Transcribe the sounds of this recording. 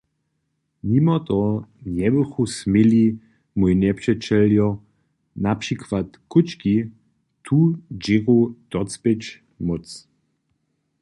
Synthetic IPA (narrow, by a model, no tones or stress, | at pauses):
mimɔt̪ɔɲɛbəxusmili | mujnɛpʂɛt͡ʃɛljɔ | napʂikvat̪kut͡ʃki | t̪ʰud͡ʑiɣud̪̥ɔt͡spet͡ʃ | mʊt͡s